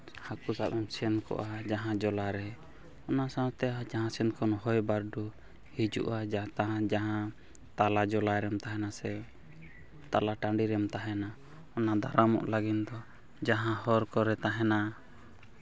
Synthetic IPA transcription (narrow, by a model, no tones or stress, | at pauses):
hakusaʔɛmsɛnkɔ̰ʔad͡ʒaɦãd͡ʒɔlaɾɛ | ɔnasãt̪ɛad͡ʒaɦãsɛnkɔnhɔjbaɾɖu | hid͡ʒṵʔad͡ʒat̪aɦãd͡ʒaɦã | t̪alad͡ʒɔlaɾɛmt̪aɦɛnasɛ | t̪alaʈaɳɖiɾɛmt̪aɦɛna | ɔnad̪aɾamɔ̰ʔlaɡind̪ɔ | d͡ʒaɦãhɔɾkɔɾɛt̪aɦɛna